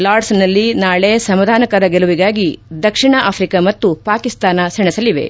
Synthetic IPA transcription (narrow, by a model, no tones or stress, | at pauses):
laːɾɖsnɐlːinaːɭesɐmɐd̪ʱaːnɐkɐɾɐɡeluʋiɡaːɡid̪ɐkʂiɳɐʔaːpʰɾikɐmɐt̪ːupaːkist̪aːnɐsɛɳɛsɐliʋe̞̰